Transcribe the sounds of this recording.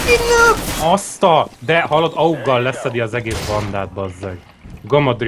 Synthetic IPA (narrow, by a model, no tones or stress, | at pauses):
inaɒst̪ɒd̪ɛhɒlod̪ɒuɡːɒlːɛsɛd̪iɒzɛɡeːsbɒnd̪aːd̪̚bɒzːɛɡ | ɡomod̪r